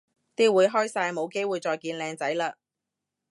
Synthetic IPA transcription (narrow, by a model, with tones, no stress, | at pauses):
t̪iː˥wuː˨˧jɦɔː˥jsaː˧jmo˨˧wke˥jwuː˨˧jt͡sɔː˧jkiː˧nlɛː˧ŋt͡sɐ˨˥jlaː˧